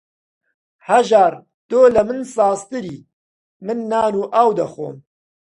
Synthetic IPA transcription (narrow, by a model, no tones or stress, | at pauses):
hɐʒaːɾ | t̪oːlɐmɨnsɑːst̪ɨɾiː | mɨnːaːnuːʔaːwd̪ɐxo̰ːm